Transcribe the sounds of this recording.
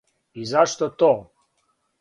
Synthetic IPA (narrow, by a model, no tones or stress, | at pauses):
izaʃt̪ot̪oː